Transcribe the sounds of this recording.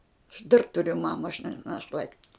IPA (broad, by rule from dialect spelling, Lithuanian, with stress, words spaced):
ɐʃ ˈdɐr ˈtʊrʲʊ ˈmɑːmɐ ɐʃ nʲɛ nɐˈʃlˠɐɪtʲɪ